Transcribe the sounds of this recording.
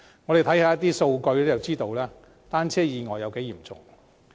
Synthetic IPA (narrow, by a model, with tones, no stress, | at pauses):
ŋɔ˨˧ɾe˨jt̪ʰɐ˨˥jhaː˨˧jɐ˥t̪iː˥so˧wkɵ˧ɥlɛː˥jɐ˨wt͡siː˥t̪o˧wlɛː˥ | t̪aː˥nt͡sʰɛː˥jiː˨˧ŋɔː˨˩jɐ˨˧wke˨˥jiː˨˩mt͡sʊ̰˨ŋ